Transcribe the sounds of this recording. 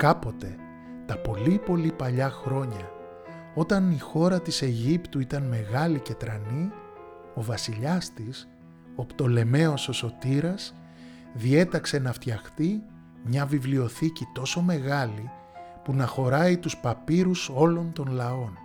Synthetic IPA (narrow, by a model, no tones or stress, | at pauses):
kɐpo̞t̪e̞ | t̪ɐpo̞lipo̞lipɐʎɐxɾo̞ɲɐ | o̞t̪ɐnixo̞ɾɐt̪ise̞ʝipt̪uit̪ɐnme̞ɣɐlice̞t̪ɾɐni | o̞vɐsiʎɐst̪is | o̞pt̪o̞le̞me̞o̞so̞so̞t̪iɾɐs | ðie̞t̪ɐkse̞nɐft̪çɐxt̪i | mɲɐvivlio̞θicit̪o̞so̞me̞ɣɐli | punɐxo̞ɾɐit̪uspɐpiɾuso̞lo̞nt̪o̞nlɐo̞n